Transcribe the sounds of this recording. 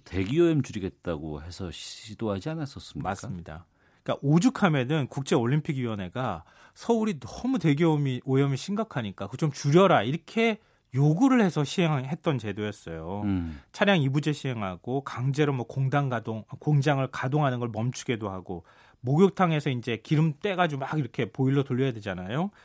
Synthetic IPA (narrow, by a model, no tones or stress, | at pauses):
te̞ɡioemt͡ɕuɾiɡe̞t̚t͈aɡo̰he̞sʰʌɕidoɦad͡ʑianas͈ʌs͈ɯmimas͈ɯmɲida̰ | ik͈a̰ʔod͡ʑukʰame̞nɯnkuk̚t͡ɕ͈e̞oʎːimpʰiɡiʌnɦe̞ɡa | sʰʌuɾinʌmute̞ɡjomiojʌmiɕʰimɡakʰaɲik͈akɯt͡ɕomt͡ɕuɾjʌɾaiɾʌkʰe̞ | joɡuɾɯɭhe̞sʰʌɕʰiɦe̞ŋɦe̞t̚t͈ʌnt͡ɕe̞dojʌs͈ʌjot͡ɕʰaɾjaŋibud͡ʑeɕʰiɦe̞ŋɦaɡ̥okaŋd͡ʑe̞ɾomwʌkoŋdaŋɡadoŋkoŋd͡ʑaŋɯɭkadoŋɦanɯnɡʌɭmʌmt͡ɕʰu̥ɡe̞dohaɡo | moɡjok̚tʰaŋe̞sʰʌind͡ʑe̞kiɾɯmt͈e̞ɡad͡ʑomaɡiɾʌkʰe̞poiɭːotuʎːʌjade̞d͡ʑanajo